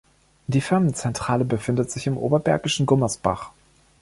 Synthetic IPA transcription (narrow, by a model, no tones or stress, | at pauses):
d̥iːfɪɐmənt͡sɛntʁ̥aːləbəfɪndətz̥ɪçɪmʔo̰ːbɐbɛɐɡɪʃn̩ɡʊmɐsb̥a̰χ